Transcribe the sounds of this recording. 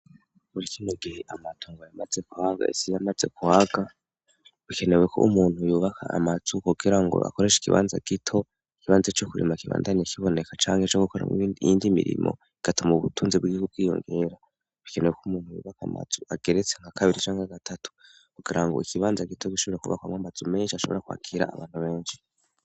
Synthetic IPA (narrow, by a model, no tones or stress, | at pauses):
muɾikinoɡiheʔamatʰoːŋɡojamaze̞kuhaɡa̰esijamaze̞̰kuhaɡ̥a | βike̞newe̞kʰo̰umuːn̥hujuːβakʰa̰a̰maz̥ukuɡiɾaŋɡo̞̰ʔa̰koɾe̞ʃi̥kiβa̰ːnza̰ɡ̥itʰo̞ | ikiβaːnzet͡ʃokuɾḛmakiβa̰ːndaɲekʰiβo̞ne̞kat͡ʃaːŋhet͡ʃoɡukoɾa̰indimḭɾḭmo̞̰ | iɡ̥atumuβutʰuːnzibɡiːβub̚ɡiːjo̞̰ŋɡe̞ɾa | βike̞ne̞wekouumuːn̥hujṵːβakama̰z̥uaɡ̥e̞ɾet͡se̞ŋakaβiɾit͡ʃaːŋaɡatʰatu̥ | kuɡiɾaŋɡo̞̰ikiβaːnzaɡitʰo̞kiʃoβoɾekuβa̰kwamwamazume̞ːnʃiaʃo̞βo̞ɾakwa̰ːkʰiɾa̰ːβaːn̥huβe̞ːnʃi̥